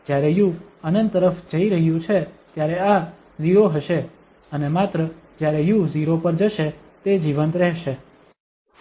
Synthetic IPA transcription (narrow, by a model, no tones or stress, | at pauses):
d͡ʒjaɾejuənənt̪ːəɾəfd͡ʒəiɾəɦjũt͡ʃʰet̪jaɾea | ziɾoɦəʃe | ənemat̪ɾəd͡ʒjaɾejuziɾopəɾd͡ʒəʃe | t̪ed͡ʒiʋənt̪ɾɛɦʃe